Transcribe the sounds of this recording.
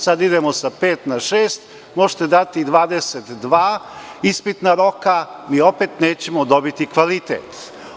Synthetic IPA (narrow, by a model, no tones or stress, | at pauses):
sad̪id̪emosapeːt̪naʃeːst̪ | moʒi̥t̪ed̪at̪id̪ʋaːd̪eset̪d̪ʋaːispit̪naɾo̞kamiːo̞pet̪neːt͡ɕemod̪obit̪ikʋalit̪ḛːt̪